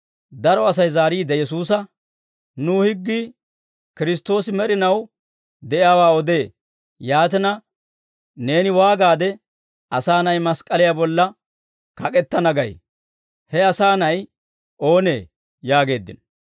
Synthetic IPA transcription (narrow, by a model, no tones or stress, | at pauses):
d̪ɐɾɔɐs̬ɐjzaːɾiːd̪ɛjɛs̬uːs̬ɐ | nuːhɪɡːi | kɪɾɪst̪ːo̞ːsɪmɛɾɪnɐw | d̪ɛʔɪjaːwaːɔd̪e̞ː | jaːt̪ɛnɐ | ne̞ːnɪwaːɡaːd̪ɛ | ɐsaːnɐjmɐskʼɐlɪjabɔlːɐ | kɐkʼɛt̪ːɐnɐɡɐj | hɛɐsaːnɐj | ʔo̞ːne̞̰ː | jaːɡe̞ːd̪ːɪ̰n